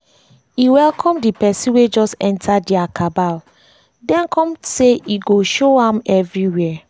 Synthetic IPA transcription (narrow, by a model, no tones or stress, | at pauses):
iwɛlkʰɔ̃mdipɛsĩnwed͡ʒɔstɛ̃ntʰadiakʰabal | dɛ̃nkʰɔ̃mseʔiɡoʃoãmɛvɹiwɛɛ